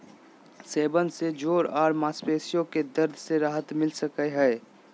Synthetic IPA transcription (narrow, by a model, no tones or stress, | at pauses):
seːbənsed͡ʒoːɾaːɾmaːspeːsijõked̪əɾd̪ʱseɾaːɦət̪mɪlsəkəɦɛː